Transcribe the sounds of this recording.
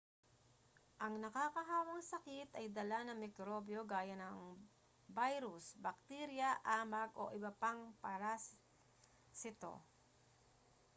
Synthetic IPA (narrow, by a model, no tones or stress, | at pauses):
ʔɐŋnɐkakɐɦaːwɐŋsɐkɪt̪ɐjd̪ɐlanɐŋmɪkɾobjo̞ɡaːjɐnɐŋ | bajɾʊsbɐk̚t̪iɾjɐʔaːmɐɡʔo̰ʔɪbɐpaŋpaɾa | sɪt̪o̞̰